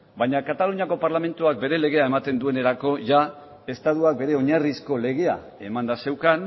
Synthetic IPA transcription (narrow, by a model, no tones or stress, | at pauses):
bajɲakat̪aluɲako̞paɾlame̞nt̪uak̚be̞ɾe̞le̞ɣ̞e̞ae̞mat̪e̞nd̪ue̞ne̞ɾako̞ʝa | e̞st̪aðuak̚be̞ɾe̞o̞ɲarisko̞le̞ɣ̞e̞a | e̞mand̪ase̞wkan